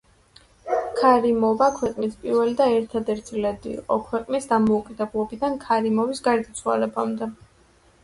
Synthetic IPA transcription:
kʰaɾimɔvakʰwɛqʼnispʼiɾvɛlid̪aɛɾt̪ʰad̪ɛɾt̪ʰilɛd̪ḭːqʼɔ̰kʰwɛqʼnisd̪amɔukʼid̪ɛblˠɔbid̪ankʰaɾimɔvisɡaɾd̪at̪sʰwa̰lɛbamd̪ɛ

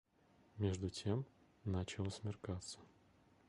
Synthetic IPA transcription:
mʲeʐd̪ʊtʲem | nat͡ɕɪlˠəsʲmʲɪrkat̪sə̥

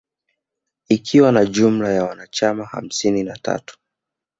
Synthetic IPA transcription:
ikʰiwanaʄum̩lajawanat͡ʃamaha̰m̩sininata̰tu̥

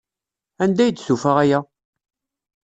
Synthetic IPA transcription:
ænd̪æjd̪sufaʁæjæ

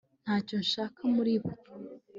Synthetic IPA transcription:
n̥haːconʃaːkamuɾiːβo

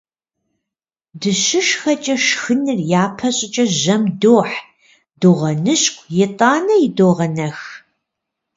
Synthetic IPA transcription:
dɨɕɨʃxɐt͡ʃʼɐʃxɨnɨrjaːpʰɐɕʼɪt͡ʃʼɐʒɐmdoːħ | doːʁɐnɨɕkʷʰʼjɪtʼaːnɐjɪdoːʁɐnɐx

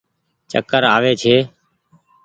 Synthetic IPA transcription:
t͡ʃə̰kəɾaːʋeːt͡ʃʰeː

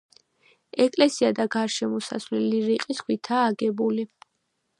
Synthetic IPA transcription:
ɛkʼlɛsiad̪aɡaɾʃɛmɔsa̰svlɛliɾiqʼiskʰwit̪ʰaːɡɛbuli

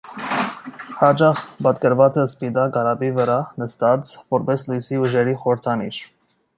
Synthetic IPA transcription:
hɑt͡ʃɑχbɑt̪kəɾvɑt͡sɛspid̪ɑkɑɾɑbivəɾɑnəst̪ɑt͡svɔɾbɛslujsiuʒɛɾiχɔɾəɾt̪ʰɑnḭʃ

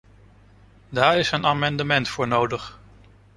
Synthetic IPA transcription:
daːɹɪsənaːmɑndəmɛntfʊːɹnowdəχ

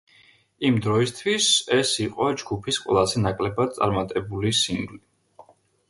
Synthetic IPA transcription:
imd̪ɾɔist̪ʰwisɛsiqʼɔd͡ʒɡupʰisqʼwɛ̰lˠazɛnakʼlɛbad̪̥̚t̪sʼa̰ɾmat̪ʼɛbulisiŋɡli

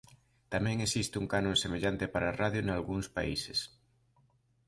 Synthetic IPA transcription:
t̪amɛ̃ŋesist̪euŋkanõŋsemeʎant̪epaɾaːraðjonalɣuŋspa̰ises

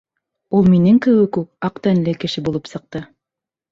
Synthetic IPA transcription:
ulˠminɘŋkɘ̆wɘkʉp̚ɑqt̪ænlɘkɘ̆ʃɘbulˠɤpsɤ̆q̚t̪ɤ

